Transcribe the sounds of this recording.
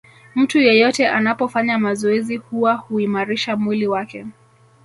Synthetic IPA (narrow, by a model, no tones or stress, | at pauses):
m̩tujɛjɔtɛʔanapɔfaɲamazɔɛzihuwahuimaɾiʃamwiliwakɛ